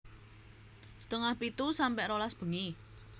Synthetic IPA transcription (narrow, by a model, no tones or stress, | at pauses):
sə̥t̪əŋahpit̪usampɛʔɾolasb̥ə̤ŋi